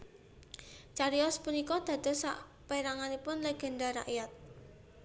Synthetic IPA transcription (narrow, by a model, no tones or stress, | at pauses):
t͡ʃaɾiɔspunikɔd̪̥ä̤d̪̥ɔ̤sa̰ʔ | peɾaŋanipʊnleɡ̥ɛ̤nɖaɾa̰ʔjat̪̚